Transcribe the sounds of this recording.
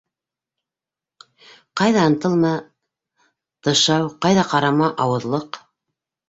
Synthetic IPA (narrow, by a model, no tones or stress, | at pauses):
qɑjðɑɤ̆nt̪ɤlˠmɑ | t̪ɤ̆ʃɑwqɑjðɑqɑɾɑmɑʔɑwɤ̆ðlˠɤq